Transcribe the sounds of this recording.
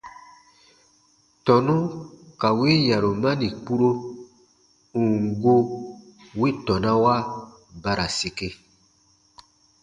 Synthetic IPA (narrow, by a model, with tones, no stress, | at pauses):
tɔ˨nũ˦ka˨we˦ja˨ɾo˨mã˦nĩ˨k͡pu˦ɾo˦ | ũ˨ŋ˨ɡo˦ | we˦tɔ˨nã˦wa˦ | ba˦ɾa˨si˨ke˦